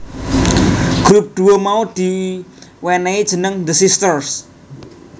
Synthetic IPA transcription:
ɡ̥ɾup̚d̪̥ṳwomaud̪̥i̤ | wɛnɛid̥ʒ̥ə̤nəŋd̪əsist̪ərs

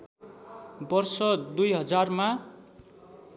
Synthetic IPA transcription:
bʌrsʌd̪ujɦʌd͡zarma

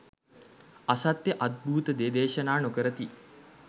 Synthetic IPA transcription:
asat̪jəʔad̪̚bʱuːt̪əd̪eːd̪eːʃənaːnokəɾət̪i

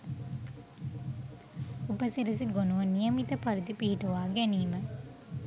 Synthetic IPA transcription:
upəsiɾisiɡonuʋənijəmit̪əpaɾid̪ipiɦiʈuʋaːɡɛniːmə

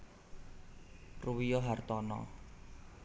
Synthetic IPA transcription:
ruwijɔɦart̪ɔnɔ̰

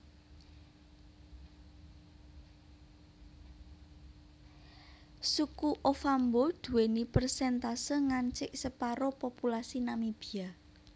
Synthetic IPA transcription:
sukuʔofambod̪̥ṳwenipərsɛnt̪asəŋaɲt͡ʃɪʔsəpaɾopopulasinamib̥ia

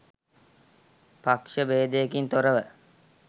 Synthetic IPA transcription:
pakʃəbeːd̪ejekint̪oɾəʋə

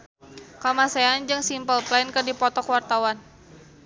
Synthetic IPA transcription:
kamaseand͡ʒɨŋsimpəlplajnkɨrdipɔt̪ɔkwart̪awan

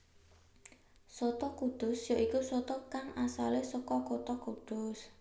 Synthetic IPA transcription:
sot̪ɔkuɖ̪̥ʊsjaʔikusɔt̪ɔkaŋʔasalesɔkɔkot̪ɔkuɖ̪̥ʊs

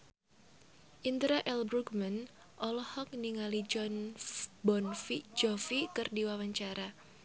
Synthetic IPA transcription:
ʔint̪ɾaʔɛlbɾuɡman | ʔɔlɔhɔk̚niŋalid͡ʒnbɔnfid͡ʒɔfikɨrdiwawaɲt͡ʃaɾa

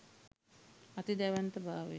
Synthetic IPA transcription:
at̪id̪æʋant̪əbʱaːʋḛ

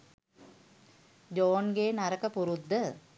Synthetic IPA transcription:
d͡ʒoːnɡeːnaɾəkəpuɾud̪ːə

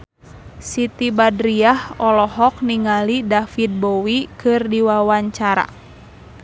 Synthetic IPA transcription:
sit̪ibadɾiahɔlɔɦɔk̚niŋalidafit̪̚bowikɨrdiwawaɲt͡ʃaɾa̰

